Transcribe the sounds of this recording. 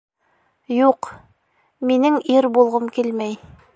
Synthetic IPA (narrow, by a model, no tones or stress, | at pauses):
juq | minɘŋiɾbulˠʁɤmkilmæj